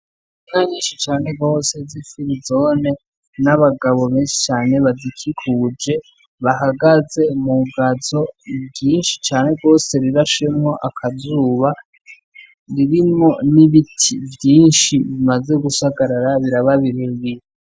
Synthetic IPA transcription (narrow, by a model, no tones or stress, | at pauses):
imŋaɲiːnʃit͡ʃaːne̞ɡo̞ːse̞zifiɾizo̞ne̞ | naβaɡaβo̞βeːnʃe̥t͡ʃaːne̞βazikʰikʰuːd͡ʒe̞ | βaɦaɡaze̞muɡazo̞bɟiːnʃi̥t͡ʃaːne̞ɡo̞ːse̞ɾiɾaʃe̞mŋo̞ʔakʰazuːβa | ɾiɾimo̞niβitʰivjiːnʃiβimazeɡusaɡaɾaɾaβiɾaβaβiɾeβiɾe